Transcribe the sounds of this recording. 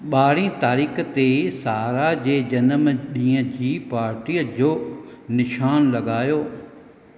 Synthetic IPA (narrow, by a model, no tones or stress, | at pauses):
ɓaːɽ̤ĩt̪aːɾiːkt̪esaːɾad͡ʑeːd͡ʑɐnəmɗĩːə̃d͡ʑiːpaːɾʈiːəd͡ʑoːnɪʃaːnlɐɠaːjoː